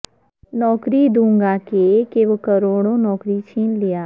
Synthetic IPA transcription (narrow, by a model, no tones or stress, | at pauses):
nɔːkɾid̪ũːŋɡakekeʋokɐɾoːɽ̃õnɔːkɾit͡ʃʰiːnlijaː